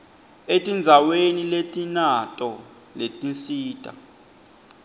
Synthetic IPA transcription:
etʼind͡zʱaweniletʼinatʼɔ | letʼinsiːtʼa̰

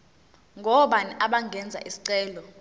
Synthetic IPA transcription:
ŋʱɔɓaniʔaɓaŋɡʱɛnd͡zʱa̰ʔisi̥ǀɛːlɔ

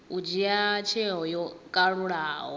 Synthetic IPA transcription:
ud͡ʒiat͡ʃʰɛɦɔjɔkʼaɺuɺaːɦɔ

